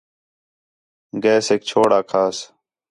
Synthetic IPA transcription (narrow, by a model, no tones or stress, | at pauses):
ɡɛːseːk̚t͡ʃʰoːɽaːkʰaːs